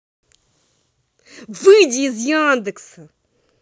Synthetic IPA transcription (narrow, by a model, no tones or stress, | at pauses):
vɨd͡ʑiːzjɑ̃ːnd̪ɨksɨ